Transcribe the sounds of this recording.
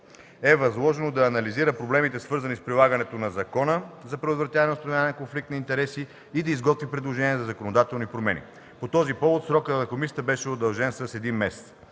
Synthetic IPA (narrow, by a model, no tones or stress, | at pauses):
ɛvɐzlˠɔʒɛnod̪ɐːnɐliziɾəpɾoblɛmit̪ɛsvɤɾzɐnispɾilˠaɡənɛt̪onɐzɐkɔnəzɐpɾɛd̪ot̪vɾɐt̪ʲjavɐnɛost̪ɐnvjanɛnɐkonflik̚t̪nɐint̪ɛɾɛsiː | d̪ɐizɡɔt̪vipɾɛd̪lˠoʒɛniɛzɐzɐkonod̪at̪ɛlˠnipɾomɛnḭ | pot̪ɔzipɔvot̪sɾɔkət̪nɐkomisʲjət̪əbɛʃɛod̪ɐlˠʒɛnsɐsɛd̪inmɛsɛ̥t̪s